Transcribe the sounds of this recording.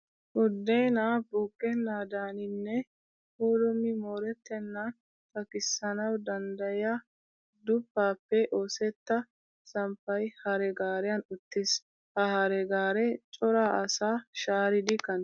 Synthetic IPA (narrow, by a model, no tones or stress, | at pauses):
ʔʊd̪ːeːnaːbʊkʼːɛnːaːd̪aːnɪnːɛ | huːɾʊmːɪmoːɾɛt̪ːɛnːɐ | t̪ɐkɪsːɐnɐwd̪ɐnd̪ɐjɐ | d̪ʊpːaːpːɛʔoːsɛt̪ːɐ | sɐmpːɐjhɐɾɛɡaːɾɛjɐnʊt̪ːɪs | hɐhɐɾɛɡaːɾɛt͡ʃʼɔɾaːɐsaːʃaːɾɪd̪ɪkɐn